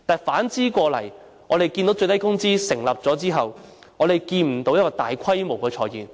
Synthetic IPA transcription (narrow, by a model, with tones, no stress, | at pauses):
t̪aː˨˩jfaː˨˥nt͡siː˥kʷɔː˧lɐ˨˩j | ŋɔː˨˧ɾe˨jki˧nt̪o˨˥wt͡ʃɵ˧jt̪ɐ˥jkʊ˥ŋt͡siː˥sɪ˨˩ŋlɐ˨p̚t͡sɔː˨˥t͡siː˥ɦɐ˨w | ŋɔː˨˧d̪e˨jkiː˧nm̩˨˩t̪o˨˧wjɐ˥kɔː˧t̪aː˨jkʰɐ˥jmo˨˩wkɛː˧t͡ʃʰɔː˧jiː˨˩n